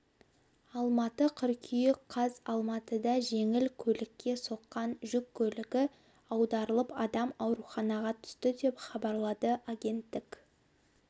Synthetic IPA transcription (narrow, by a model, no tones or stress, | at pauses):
ɑlˠmɑt̪əqʰʏɾkʲʰʏjɪkqʰɑzɑlˠmɑt̪əd̪ɑʒe̞ŋɪlkʲʰɵlɪkʲːe̞so̞qːɑnʒʏkʲʰːɵlɪɡʲɪ | ɑwd̪ɑɾəlˠəpɑd̪ɑmɑwɾuχɑnɑʁɑt̪ʰʏ̥st̪ɪd̪e̞pχɑbɑɾlˠɑd̪əʔaɡʲe̞nt̪ːɪk